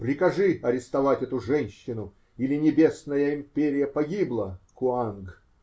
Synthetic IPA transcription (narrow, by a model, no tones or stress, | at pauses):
pɾʲɪkɐʐɨɐɾʲɪst̪ɐvatʲɛt̪ʊʐɛnʲɕːɪnʊ | ilʲɪnʲɪbʲe̞snəjəɪmʲpʲeɾʲɪjəpɐɡʲiblˠəkʊanɡ